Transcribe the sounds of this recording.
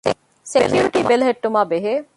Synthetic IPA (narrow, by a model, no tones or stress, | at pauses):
sekʰjuɾɪʈibelɦeʈːʊmabeɦe